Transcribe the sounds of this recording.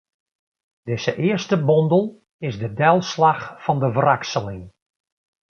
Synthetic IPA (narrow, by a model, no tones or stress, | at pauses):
d̥ɪz̥əʔɪərstəbɔndəlˠ | ɪzdədɛlˠslaxfɑndəvraksəlɪŋ